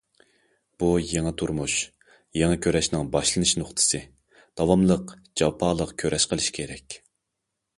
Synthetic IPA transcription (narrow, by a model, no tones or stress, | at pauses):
b̥ujeŋɨt̪ʰuɾmuʃ | jeŋɨkʲʰøɾɛʃnɨŋbɑʃlˠɨnɨʃnʊχt̪ʰɨ̥sɨ | d̪̥ɑwɑmlˠəq | d͡ʒɑpʰɑːlˠəqkʲʰøɾɛʃqʰəlˠɨʃkʲʰeɾɛkʲ